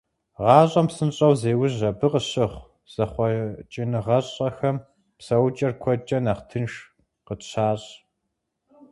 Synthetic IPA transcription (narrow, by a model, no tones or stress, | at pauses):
ʁɑːɕʼɐmpsɨnɕʼɐwzeːwʊʑɐbɨqəɕɪχʷ | z̥ɐχʷɔt͡ʃʼɪnɨʁɐɕʼɐxɐm | psɐwt͡ʃʼɐrkʷʰɔd͡ʒʼɐnaːχtʰɨnʂ | qəɕʰaːɕʼ